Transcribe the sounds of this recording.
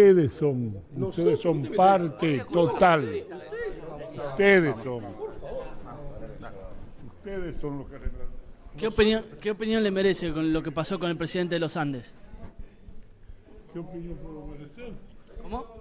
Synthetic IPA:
eðesoŋust̪eðesomppaɾt̪et̪ot̪al | ust̪eðesoŋ | ust̪eðesonloskareɾakeopinjonkeopinjonlemeɾesekonlokepaso̞konelpɾesiðent̪̬eelosand̪es | keopinjõmpweðemeɾeseɾkomo

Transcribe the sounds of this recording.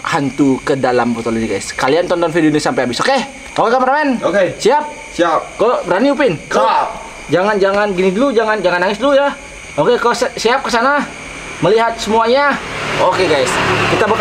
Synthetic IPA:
hant̪ukədalambot̪oliniɡa̰jskaliant̪ɔnt̪ɔnfidoniasampajabisoke | ʔokekamaɾamɛnokesiap̚ | siap̚kabəɾaniup̬ɪnka | d͡ʒaŋand͡ʒaŋanɡinidəlud͡ʒaŋand͡ʒaŋanːaŋɪs̬dluja | okekalsəsiap̚kəsana | məliɦat̪̚səmuaɲaokeɡajskit̪abə

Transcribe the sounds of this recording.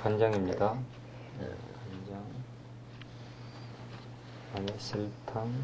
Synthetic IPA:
kand͡ʑaŋimɲida | ḛkand͡ʑaŋ | aɲeɕʰiɭtʰaŋ

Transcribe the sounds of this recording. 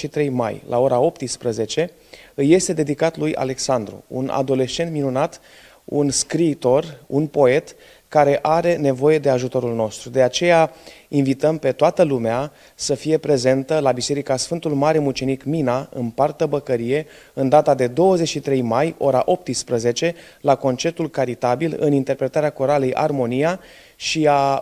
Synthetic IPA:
ʃit̪ɾe̞jma̰jlʔa̰o̞ɾao̞p̚t̪ɨspɾəze̞t͡ʃe̞ | ɨjːe̞st̪e̞d̪e̞d̪ikat̪luja̰le̞ksand̪ɾṵṵna̰d̪o̞le̞ʃt͡ʃe̞nt̪minunat̪ | ṵnskɾiːt̪o̞runpo̞e̞t̪ | kaɾe̞ʔaɾe̞ne̞vo̞je̞d̪e̞aʒut̪o̞ɾulno̞st̪ɾud̪e̞at͡ʃe̞jainvit̪əmpe̞t̪oat̪əlumea | səfije̞pɾe̞ze̞nt̪əlabise̞ɾikasfɨnt̪ulmaɾe̞mut͡ʃe̞nikminaɨ̰npart̪əbəkəɾije̞ | ɨnd̪at̪ad̪e̞d̪o̞wəze̞t͡ʃʃit̪ɾe̞jmajo̞ɾa̰ʔo̞p̚t̪ɨspɾəze̞t͡ʃe̞ | lako̞nt͡ʃe̞pt̪ulkaɾit̪abilɨ̰nint̪e̞rpɾe̞t̪aɾeako̞ɾalejʔa̰rmo̞nija | ʃia

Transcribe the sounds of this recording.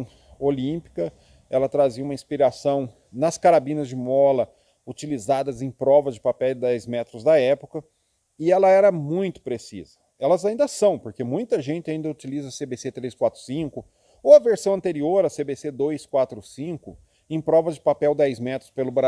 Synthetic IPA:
olĩpi̥kɐ | ɛlɐt̪ɾaziɐũmɐĩspiɾasɐ̃w̃ | nɐskaɾabĩnɐzd͡ʒɪmɔlɐ | ut͡ʃilizad̪ɐzẽj̃pɾɔvɐzd͡ʒɪpapɛwd̪ɛjzmɛt̪ɾʊzd̪ɐɛpʊ̥kɐ | ɪɛlɐɛɾɐmũj̃t̪ʊ̥pɾesḭzɐ | ɛlɐzaĩnd̪ɐsɐ̃w̃poɾkemũj̃t̪ɐʒẽnt͡ʃɪaĩd̪ɐut͡ʃilizɐsebeset̪ɾeskwat̪ɾʊ̥sĩŋkʊ | owɐveɾsɐ̃w̃ɐ̃nt̪eɾioɾɐsebesed̪ojskwat̪ɾʊsĩkʊ | ẽj̃pɾɔvɐzd͡ʒɪpapɛwd̪ɛjzmɛt̪ɾʊ̥spelʊbɾa

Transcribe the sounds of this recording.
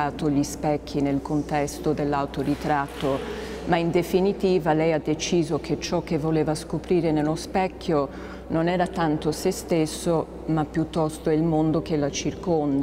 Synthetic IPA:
aːt̪oʎispɛkʰːinelkont̪ɛst̪od̪elːawt̪oɾit̪ɾat̪ːo | maind̪efinit̪iːvalɛjad̪ːet͡ʃiːzokʰet͡ʃːɔk̟ːevːoleːvaskopɾiːɾenelːospɛkʰːjo | nonɛːɾat̪ant̪osest̪esːo | mapːjut̪ːɔst̪oilmond̪okelat͡ʃirkond̪

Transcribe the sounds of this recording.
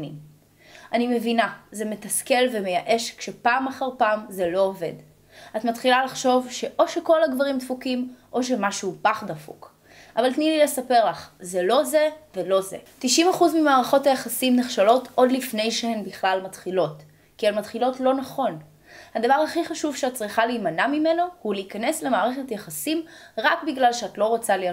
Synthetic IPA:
nḭm | ʔanime̞vinazeme̞taske̞lve̞me̞jaʔe̞ʃkʃe̞paːmaχaʁpaːmze̞lo̞ove̞̰d | atmat̪χilalaχʃo̞vʃe̞ʔo̞ʃeko̞laɡvaʁimdfukimʔo̞ʃe̞maʃuːpaχdafṵk | ʔavaltnilile̞sape̞ʁlaχzelo̞zevelo̞zḛtiʃimaχuzmimaːʁaχo̞tajaχasimneχʃalo̞tʰʔo̞dlifne̞jʃehembiχlalmatχilo̞t | kialmatχilo̞tlo̞naχo̞n | hadavaʁhaχiχaʃuvʃeat̚t͡sʁiχaliːmanamime̞nohuliːkane̞sle̞maːʁeχetjaχasimʁakbiɡlalʃeatlo̞ʁo̞t͡sali

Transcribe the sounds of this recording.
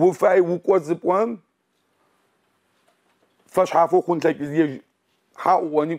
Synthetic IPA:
wʊfaːjwʊkʷʼɔzɨpʷʼɔm | fɐɕħaːfoxʷʊnɬɐkʲʼɪzjɛʒ | ħaːʔʷʊʔʷɔniː

